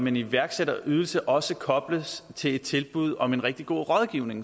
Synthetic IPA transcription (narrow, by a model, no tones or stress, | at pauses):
meniʋæɐɡ̥seɾɐʔyð̞ˠl̩səʔɒ̽səkʰɒ̽b̥ləst͡sʰe̝le̝d̥̚t͡sʰe̝lb̥uð̞̰ˠɒ̽me̝nʁɛɡ̥̚d̥iɡ̥o̝̰ːʁɒ̽ð̞ˠɡ̥iʊne̝ŋ